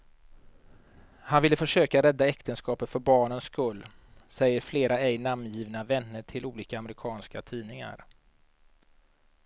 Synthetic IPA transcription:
hanvɪlːəfœʂøːkaɾɛd̪ːaɛkt̪ənskɑːpət̪fœɾbɑːɳənskɵlː | sɛjːəɾfleːɾʔaɛjnammjiːvnavɛnːəʈʰɪluːliːkaːmɾɪkʰɑːnskat̪ʰiːnɪŋa̰ɾ

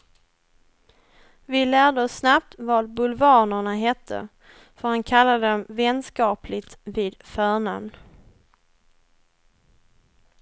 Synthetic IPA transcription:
vɪlæːɖəɔsːnap̚t̪vɑːd̪bɵlvɑːɳəɳaɦɛt̪ʰːə̰ | fœɾhankʰalːad̪əɔmvɛnskɑːplɪt̪viːd̪fœːɳamn

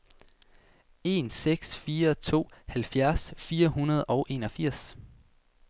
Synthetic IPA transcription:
e̝ːnseɡ̥sfiːɐt͡sʰo̝̰ːhælfjæɐsfiːɐɦunɐð̞ˠɒ̽ʊʔe̝ːnɒ̽fiɐ̰s

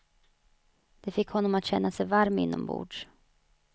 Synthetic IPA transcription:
d̪̥ɛfɪkːhɔnːɔmat̪ɕɛnːasɛjvaɾmɪ̰nːɔ̰mbṵːɖʂ

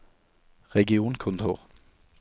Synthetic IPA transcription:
ʁɛɡɪuːnkʰʊnt̪ʰṵːʁ

